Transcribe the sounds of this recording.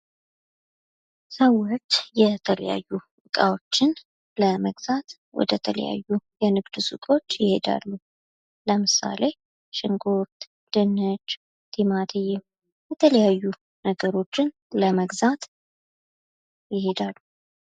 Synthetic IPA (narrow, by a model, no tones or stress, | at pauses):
səwːɔɾt̪jɛt̪ʰələ̰ja̰jːuʔɨkʼawo̞t͡ʃːɪn | ləməɡz̥at̪ | wɔ̰d̪ət̪ʰələ̰ja̰jːujɛnɨɡd̪ɨsṵk̪ʼo̞t͡ʃːjɪhe̞d̪a̰lːu | ləmɨsa̰le | ʃɪŋɡoɾt̪ | d̪̥ɨnːɨt͡ʃː | t̪ʰimad̪ʰijɛ | jɛt̪ʰələjajːu | nəɡəɾo̞t͡ʃːɪn | ləməɡzat̪ | jɪhe̞d̪alːu